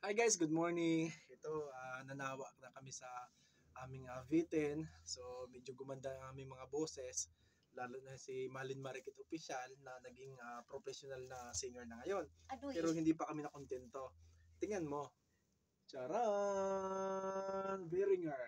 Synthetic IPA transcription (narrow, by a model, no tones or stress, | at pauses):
ʔajɡajsɡʊd̪̚moɹnɪŋʔɛt̪oanɐnaːwɐʔnɐkɐmɪsɐ | ʔaːmɪŋɐvit̪ɛnso̞mɛd͡ʒoɡʊmɐnd̪aɐŋaːmɪŋmɐŋabo̞ːsɛs | laːlʊnɐsimaːlɪnmɐɾɛkɪt̪ʔopɪʃalnɐnɐɡɪŋapɾopɛsjonalnɐsiɲoɹnɐŋɐjo̞nɛːɾohɪnd̪ipɐkɐmɪnɐkont̪ɛnt̪o̞t̪ɪŋɐnmo̞ | t͡ʃaːɾa | ŋvɛɾɪŋɐɹ